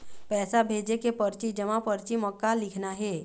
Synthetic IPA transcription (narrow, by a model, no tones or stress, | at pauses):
pɛːsabʱeːd͡ʒekepɐɾt͡ʃid͡ʒɐmapɐɾt͡ʃimɔkːalɪkʰnaɦɛː